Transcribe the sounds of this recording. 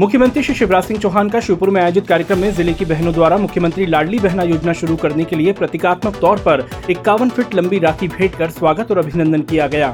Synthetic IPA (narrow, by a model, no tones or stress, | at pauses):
mʊkʰjəmə̃nt̪ɾiʃɪʃɪʋɾaːsɪ̃ŋɡt͡ʃoːɦaːnkaʃɪpʊɾmẽaːjod͡ʒɪt̪̚kaːɾjəkɾəmːẽzɪlekibɛɦnõd̪waːɾamʊkʰjəmə̃nt̪ɾilaːɽlibɛɦnajoːd͡ʒnaʃʊɾukɐɾnekeliepɾɐt̪ɪkaːt̪mək̚t̪ɔːɾpɐɾɪkːaːʋənfʰɪʈlɐ̃mbiɾaːt̪ʰibʱeːʈkɐɾswaːɡət̪ɔːɾɐbʱɪnə̃nd̪ənkijaɡɐjaː